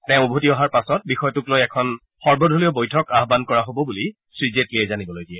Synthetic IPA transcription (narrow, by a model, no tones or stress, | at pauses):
tɛʊ̃obʱutiɔɦaɹpasɔt̚bixɔjɔtʊklojɛkʰɔn | xɔɹbɔdʱuliɔbojtʰɔkaɦbankɔɹaɦobɔbuli | sɹizetkiɛzanibɔlojdiɛ